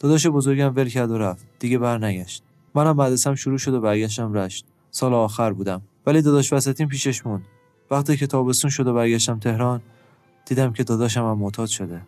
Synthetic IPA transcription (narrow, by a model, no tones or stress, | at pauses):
d̪̥ɒːd̪ɒːʃ̬ebo̞zoɾɡæmve̞lcʰæɾd̪oɾæft̪d̪̥iːɟe̞bæɾnæɟæʃt̪̚ | mænæmːæd̪esæmʃuɾuːʃo̞d̪obæɾɡæʃ̬t̪æmɾæʃt̪̚ | sɒːleɒːxæɾbuːd̪æmvæliːd̪ɒːd̪ɒːʃvæsæt̪ʰiːmpʰiːʃeʃmund̪ | væxt̪ʰiːcʰe̞t̪ʰɒːbe̞st̪uːnʃo̞d̪o̞bæɾɡæʃt̪æmt̪ʰe̞hɾɒːn | d̪̥iːd̪æmcʰe̞d̪ɒːd̪ɒːʃ̬æmæmːot̪ʰɒːd̪ʃo̞d̪e